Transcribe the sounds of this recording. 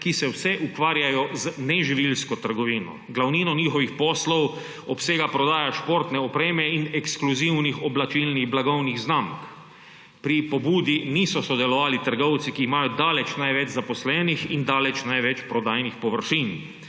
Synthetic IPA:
kisɛwsɛʔukʋaːɾjajɔznɛʒiʋilskɔt̪əɾɡɔʋiːnɔ̰ɡlawniːnɔniːxɔʋixpɔːslɔw | ɔpseːɡapɾɔd̪aːjaʃpoɾt̪nɛɔpɾeːmɛinɛkskluziwnixɔblat͡ʃilniɣblaɡɔwniɣznamk | pɾipɔbuːd̪inisɔsɔd̪ɛlɔʋaːlit̪əɾɡɔwt̪sikiːmajɔd̪aːlɛt͡ʃnajʋɛd͡ʒzapɔslɛːnixind̪aːlɛt͡ʃnajʋɛt͡ʃpɾɔd̪aːjnixpɔʋəɾʃiːn

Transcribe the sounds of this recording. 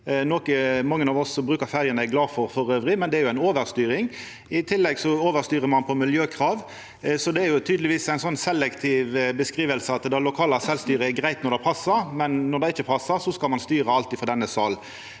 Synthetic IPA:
noːkəmɑŋːənɑːʋɔsːɔbɾʉːkəɾfæʁjənəɡlɑːfɔɾfɔɾøːʋɾɪmɛnd̪ɛæɾjʊæɪnoːʋəɾst̪yːɾɪŋ | ɪt̪ʰɪlːɛɡsɔoːʋəɾst̪yːʁəmɑnpʰɔmɪljøːkʰʁɑːʋ | sɔd̪ɛæɾjʊt̪ʰyːd̪lɪʋiːsæɪnsɔnːsɛlɛkt̪ʰɪʋbəskʁiːʋəlsəɑt̪d̪ɑlʊkʰɑːlɑsɛlst̪yːɾəɛɡʁæɪt̪nɔɾd̪ɛpʰɑsːəɾmɛnːɔd̪ɛɪt͡ʃːəpʰɑsːəʁsɔskɑlmɑnst̪yːɾəɑlt̪ɪfɔʁd̪ɛnːəsɑl

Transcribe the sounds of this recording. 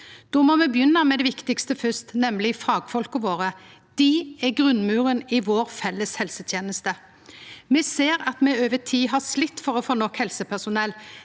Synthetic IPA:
d̪̥oːmɔmɛbjʏnːɑmɛd̪ɛʋɪkt̪ɪkst̪əfʏst̪nɛmlɪfɑːɡfɔlkəʋoːʁə | d̪̥ɪɛɡʁʉnmʉːʁənɪʋoːɾfɛlːəshɛlsət̪ʰjeːnəst̪ə | mɛseːɾɑt̪mɛøːʋət̪ʰiːɦɑslɪt̪ːfɔʁɔfoːnɔkhɛlsəpʰæʁsʊnɛl

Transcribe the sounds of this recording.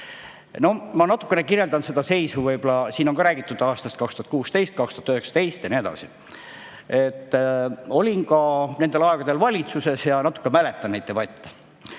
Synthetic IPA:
no̞mɑnɑt̪ːˑu̥kːˑe̞nekirjeld̪ɑnsed̪ɑse̞jsuvɤjbolɑsiːno̞ŋkɑɾæːɡ̥it̪ːˑud̪̥ɑːst̪ɑst̪̚kɑkst̪uɑt̪kuːst̪e̞jst̪̚kɑkst̪u̥ɑt̪øyheksɑ̥t̪e̞jst̪jɑnied̪ɑ̰si | et̪ːo̞lʲinkɑne̞nd̪̥e̞lɑe̞ɡ̥ɑd̪e̞lvɑlʲit̪suse̞sjɑnɑt̪ːˑukːemælet̪ːˑɑnejt̪ːˑevɑjt̪ːɑ

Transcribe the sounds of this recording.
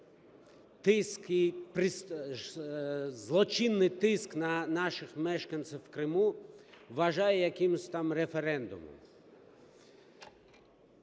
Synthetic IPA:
t̪ɪskɪjpɾɪs | zlˠɔt͡ʃinːɪjt̪ɪsknɐnɑʃɪxmɛʃkɐnt̪sɪwwːkɾɪmuʋɐʒɑjɛjɐkɪmʊsʲt̪amɾefeɾɛnd̪ʊ̰mʊ̰m

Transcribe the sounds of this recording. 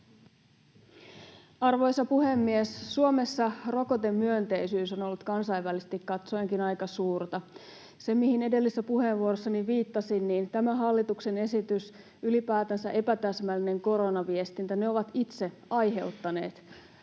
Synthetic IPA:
ɑrʋo̞jsːɑpuhemːiessuome̞sːɑro̞ko̞t̪emːyønt̪e̞isyːso̞nolːut̪kɑnsɑiʋːælisest̪ikkɑt̪so̞jŋkinɑjkɑsuːrt̪ɑ | se̞mihinede̞lːisːæpuheːʋʋuoɾosːɑniʋiːt̪ːɑsinːiːnt̪æmæɦɑlːit̪ukse̞ne̞sit̪ys | ylipæːt̪ænsæʔe̞pæt̪æsmælːine̞ŋko̞ɾo̞nɑʋie̞st̪int̪æne̞o̞ʋɑt̪it̪se | ɑjɦe̞wt̪ːɑne̞ːt̪

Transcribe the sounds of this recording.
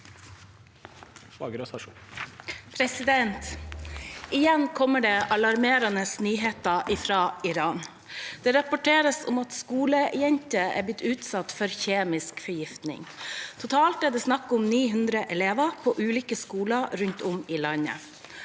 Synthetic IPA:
ɑ̰ɡəɾøsɑʂ | pʰɾɛsɪd̪ɛnt̪ | ʔɪjɛnkʰɔmːəɖɛʔɑlɑɾmeːɾɑnəsnyːɦeːt̪əʔɪfɾɑːɪɾɑːn | d̪̥ɛɾɑpɔʈʰeːɾəsʊmɑt̪skuːləjɛnt̪əæ̰blɪt̪ʰːʉːt̪sɑt̪fɔɾçeːmɪskfɔjɪft̪nɪ̰ŋt̪ʰʊt̪ʰɑːlt̪æɖɛːsnɑkːʊmniːɦʉnd̪ɾəʔɛleːʋɑpʰoːʔʉːliːkəskuːləɾɾʉɲt̪ʊmɪlɑɲə̰

